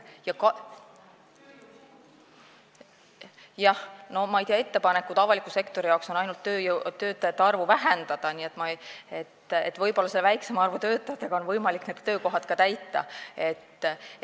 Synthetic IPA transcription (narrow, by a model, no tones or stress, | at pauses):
jɑkɑ | jɑhno̞mɑɑjt̪iɑe̞t̪ːe̞pɑnekːˑud̪ɑvɑlikːˑuse̞kt̪o̞ɾijɑwkso̞nɑjnult̪ːøːjt̪ø̞ːt̪ːˑɑjɑt̪ːeɑrvuvæɦend̪̥ɑd̪̥ɑniːet̪ːˑmɑe̞t̪ːḛt̪vɤjpo̞lːɑselvæjksemɑrvut̪ø̞ːt̪ːˑɑjɑt̪ːˑeɡ̥ɑo̞nvɤjmɑlikned̪t̪ø̞ːko̞ɦɑt̪kɑt̪æjt̪ːˑɑ̰e̞t̪ː